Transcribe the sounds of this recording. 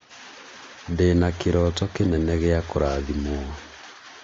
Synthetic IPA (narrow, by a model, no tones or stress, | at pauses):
ndenakeɾɔtɔkenɛnɛɣeakoɾaːðimoa